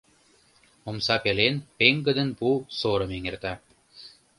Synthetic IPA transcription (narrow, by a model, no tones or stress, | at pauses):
omsɑpelenpeŋɡə̆d̪ə̆npusoɾɤ̆meŋert̪æ